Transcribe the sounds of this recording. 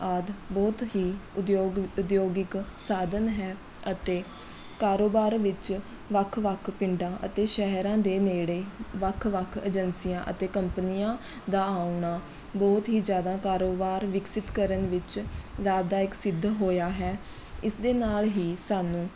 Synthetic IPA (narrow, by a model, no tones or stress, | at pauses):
aːd̪bɔːt̪ɦiːoːʊd̪joːɡɪksaːd̪ənɦɛː | ət̪eː | kaːɾoːbaːɾʋɪt͡ʃ | ʋəkʰʋəkʰpɪɳɖãːʔə̰t̪eːʃɛɦɾãːd̪eːneːɽeːʋəkʰʋəkʰəd͡ʒənsijãːʔə̰t̪eːkəmpnijãː | d̪aːaːʊɳaː | bɔːt̪ɦiːd͡ʒjaːd̪aːkaːɾoːbaːɾʋɪksɪt̪kəɾənʋɪt͡ʃlaːbd̪aːɪksɪd̪ʱːɦoːjaːɦɛː | ɪsd̪eːnaːlɦiːsaːnũː